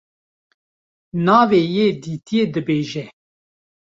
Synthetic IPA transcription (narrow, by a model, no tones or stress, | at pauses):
nɑːveːjeːd̪iːt̪ijeːd̪ɨbeːʒɛ